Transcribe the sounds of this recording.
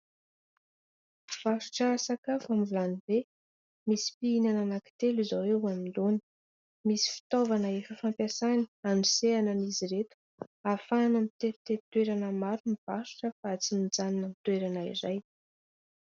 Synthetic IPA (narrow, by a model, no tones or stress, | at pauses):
v̥aʃu̥ʈ͡ʂəːsakafamvilanive | misi̥piinananaki̥t̪elizowewaminlonə̥ | misi̥fi̥t̪ovanəefəfampjasani̥aniseananiziɾet̪u̥ | afanamit̪eɾit̪eɾit̪weɾanəmaɾumiv̥aʃu̥ʈ͡ʂəfat͡simid͡zaninəmit̪weɾanaḭzaj